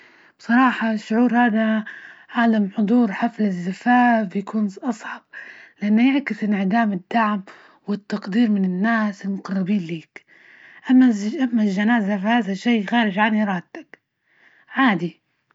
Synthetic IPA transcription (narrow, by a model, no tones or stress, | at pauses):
b̥sˤɑɾˤɑːħɑʃʊʕuːɾhaːðaʕaːd̪amħʊd̪ˤuːɾħaflɪzːɪfaːfjakʰuːnʔɑsˤʕɑb̥̚lɪʔanːajaʕkɪsɪnʕɪd̪aːmɪd̪ːaʕm | wɪt̪ːɑqd̪iːɾmɪnɪnːaːsɪlmʊqɑrːɪbiːnliːk | ʔamːaʔamːalʒanaːzafahaːðaʃːeːxaːɾɪd͡ʒʕanːiɾˤɑːd̪̚t̪ːak | ʕaːd̪i